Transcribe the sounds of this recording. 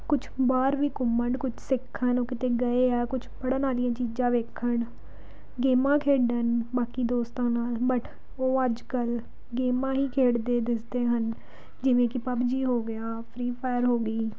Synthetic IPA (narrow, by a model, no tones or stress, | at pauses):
kʊt͡ʃʰbaːɾʋiːkʊməɳɖkʊt͡ʃʰsɪkʰːənoːkɪt̪eːɡəeːɛːkʊt͡ʃʰbəɽãnaːlijãːt͡ʃiːd͡ʒãːʋeːkʰəɳ | ɡeːmãːkʰeːɖənbaːkiːd̪oːst̪ãːnaːlbəʈ | oːəd͡ʒkəl | ɡeːmãːɦiːkʰeːɽd̪eːd̪ɪsd̪eːɦən | d͡ʒɪʋẽːkɪpəbd͡ʒiːɦoːɡɪjaːpʰɾiːpʰɛːɾɦoːɡəiː